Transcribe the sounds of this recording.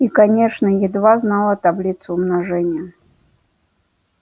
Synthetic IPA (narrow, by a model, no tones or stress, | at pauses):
ikanʲeʂnəjɪd̪vaznalˠət̪ablʲit̪sʊʊmnaʐɛnʲɪjə